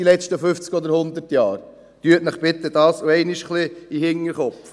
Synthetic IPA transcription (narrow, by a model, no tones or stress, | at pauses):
ilɛt͡ʃtəfʏft͡skɔd̪əɾhʊnd̪əɾtjɑːɾ | t̪yətnəχpɪt̪əd̥ɑːsoɛɪnɪʃχliihɪŋːəɾχɔpf